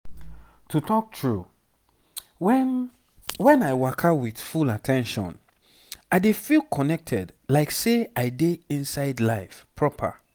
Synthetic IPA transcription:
tʰutɔk̚tʰɹu | wɛn | wɛ̃naɪwakʰawiθfulatʰɛ̃nʃɔ̰̃n | aɪdefilkʰɔnɛk̚tʰɛdlaɪkseaɪdeĩnsaɪdlaɪfpʰɹɔpʰa̰

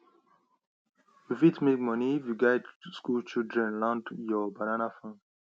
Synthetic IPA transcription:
ufitmek̚mɔniifjuɡaɪdskult͡ʃildɹɛ̃nlãndjɔbananafãn

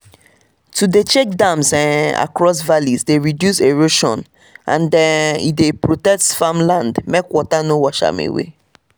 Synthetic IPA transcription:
tudet͡ʃek̚dãmsɛ̃na̰kɹɔs̬valizdeɹidjuseɹoʃɔ̰̃n | ã̰ndɛ̃nḭdepɹotɛk̚tfamlãndmekwɔtanowɔʃa̰mḛwḛ

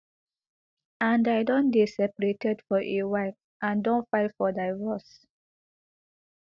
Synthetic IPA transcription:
ãndaɪdɔ̃ndesɛpaɹetɛdfɔʔewaɪf | ʔãndɔ̃nfaɪtfɔdaɪvɔs

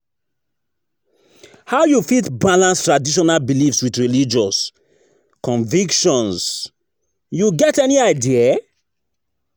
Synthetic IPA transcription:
haʊjufitbalãnstɹadiʃ̬ɔnalbilifswiðɹilid͡ʒɔs | kɔ̃ɱvikʃɔ̃ns | juɡɛtɛniaɪdia

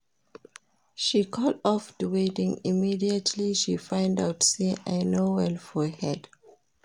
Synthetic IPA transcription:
ʃikʰɔlɔfdəwedɪ̃ŋimidiətʰliʃifãɪ̃ndaʊtseʔa̰ɪnowɛlfɔhɛd̥

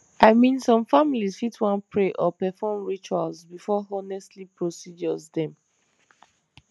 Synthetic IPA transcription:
aɪmĩnsɔ̃mfamilizfitwãnpʰɹeʔɔpɛfɔmɹit͡ʃualzbifɔɔnɛstlipɹosid͡ʒɔzdɛ̃m

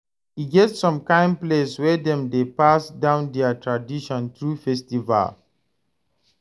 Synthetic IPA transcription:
hiɡɛtsɔ̃mkãɪ̃mpleswɛdɛ̃mdepasdãʊ̃ndɛətʰɹadiʃɔ̃nt̪ɹufɛstiva̰l

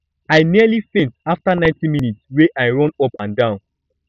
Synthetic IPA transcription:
aɪnialifɛ̃ntaftanãɪ̃ntĩminitsweʔajɹɔ̃nɔpãndãʊ̃n

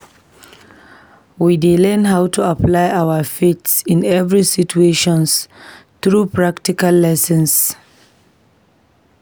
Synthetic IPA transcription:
widelɛnɦawtʰuaplajʔawafetsɪ̃nɛvɹisitueʃɔ̃nsθɹupɹaktikalːɛsɛ̃ns

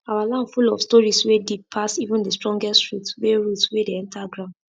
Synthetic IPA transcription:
awalãndfulɔ̰fstɔɹiswedipʰːasivũndəstɹɔ̃ŋɡɛstɹutweɹutswedeɛ̃ntʰaɡɹãʊ̃nd

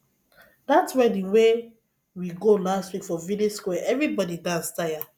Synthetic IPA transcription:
datswɛdĩwe | wiɡolastwikfɔvidioskwɛʔɛvɹibɔdidãnstaja

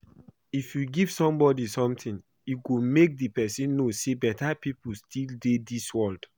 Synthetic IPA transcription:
ifjuɡiv̥sɔ̃mbɔdisɔ̃mtĩn | juɡomek̚dipɛsĩnːosebɛtapipustʰildediswɔld̥

